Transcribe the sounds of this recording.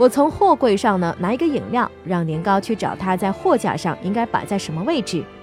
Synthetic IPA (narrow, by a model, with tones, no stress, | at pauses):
wɔ˨˩t͡sʰʊ˧˥ŋxwɔ˥˧kwe˥˧ɪʂɑ˥˩ŋnə˩na˧˥i˧˥ɡə˧i˨˩ŋljɑ˥˩ʊɻɑ˥˩ŋljɛ˧˥nkɑ˥ʊt͡ɕʰy˥˩ʈ͡ʂɑ˨˩ʊt̪ʰa˥t͡sa˥˧ɪxwɔ˥˧t͡ɕja̰˧˩ʂɑ̰˥˩ŋi˥ŋka˥ɪpa̰˨˩t͡sa˥˩ɪʂə˧˥nmə˧we˥˧ɪʈ͡ʂɻ̩˥˩